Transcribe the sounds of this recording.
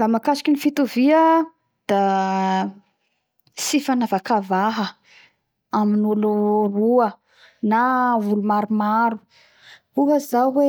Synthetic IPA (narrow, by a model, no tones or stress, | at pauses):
lamakasi̥kʲinifit̪uviə | d̪̥a | sifanavakavaɦə | aminuluruə | navulumaɾumaɾu | uɦəzawwe